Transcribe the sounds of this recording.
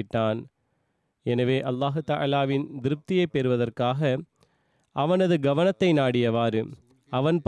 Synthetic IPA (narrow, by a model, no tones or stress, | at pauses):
ɪʈːaːn | ɛnɐʋeːʔɐlːaːɦɯt̪ɐʔa̰laːʋɪnd̪ɪɾɯp̚t̪ɪjɐɪpːɛɾɯʋɐðɐrkaːɣɐ | ʔɐʋɐnɐðɯɡɐʋɐnɐt̪ːɐɪnaːɽɪjɐʋaːɾɯ̰ | ɐʋɐnp